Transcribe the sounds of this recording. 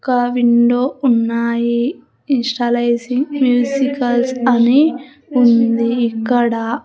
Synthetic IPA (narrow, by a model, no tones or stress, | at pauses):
kɐʋiɳɖoːunːaːjiː | nsʈɐlɐjsiŋɡmjuːsikɐlsɐni | und̪iːkːɐɽɐ